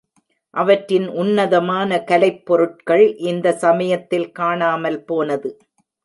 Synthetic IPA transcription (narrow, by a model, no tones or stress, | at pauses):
ʔɐʋɐʈɾɪnʔʊnːɐðɐmaːnɐkɐlɐɪpːɔɾɯʈ̚kɐɭʔɪnd̪ɐsɐmɐjɐt̪ːɪlkaːɳaːmɐlpoːnɐðɯ